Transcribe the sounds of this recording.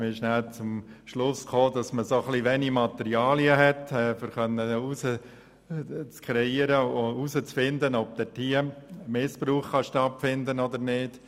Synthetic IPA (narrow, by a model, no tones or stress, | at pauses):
mɪʃnælt͡sʊmʃlʊskχoːdɑsməsoχliʋɛnimɑt̪ɛɾiɑːliəɦɛtɛːfəɾχœnːəusə | t͡skʰɾɛiəɾəousət͡sfɪndənɔb̚t̪ɛtʰiəmɪspruːχχɑʃtɑtfɪndənɔd̪əɾnɪːd̥